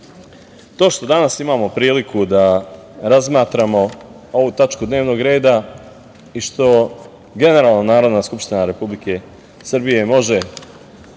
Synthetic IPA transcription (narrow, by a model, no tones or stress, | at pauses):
t̪o̞ːʃt̪o̞d̪anasimaːmo̞pɾiːlikʰud̪aɾazmaːt̪ɾamo̞ | o̞ʋut̪at͡ʃkud̪ne̞ːʋno̞ːɡɾe̞ːd̪a | iʃt̪o̞ | ɡe̞ne̞ɾaːlˠnonaːɾo̞d̪naːskupʃt̪inaɾe̞publike̞ | sr̩bije̞mo̞ʒe̞